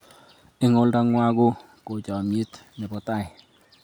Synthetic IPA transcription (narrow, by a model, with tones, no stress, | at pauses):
ɪ˦ŋo˦lda˦ŋwa˦ɡo˦ | ko˨t͡ʃa˨mje˦t̪nɪ˨bɔ˨ta˦˨ɪ˨